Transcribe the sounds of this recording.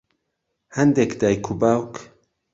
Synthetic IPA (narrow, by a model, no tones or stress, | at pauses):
hɛnd̪ekd̪aːjkʰubawk